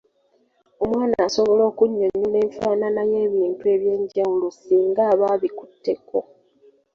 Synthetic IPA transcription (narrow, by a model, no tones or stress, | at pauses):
o̞mwaːnaːso̞βo̞lo̞ːkuɲːoɲːule̞ːɱfaːnanaje̞ːβiːntue̞ːβje̞ːɲɟawulosiːŋɡaːβaːβiku̥tːe̞kʰo̞